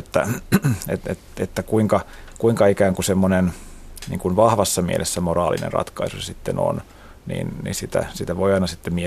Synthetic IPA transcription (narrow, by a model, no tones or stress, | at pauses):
et̪ːæ̰ḛt̪ḛt̪et̪ːækuiŋkɑ | kuiŋkɑikæːŋkusemːonennḭːŋkunʋɑhʋɑsːɑmḭelʔesːæmorɑːlḭnḛnrɑ̰t̪kɑisusesit̪ːeno̰n | nḭːnnḭnsit̪æ̰sit̪æʋoijɑinɑsit̪ːemmie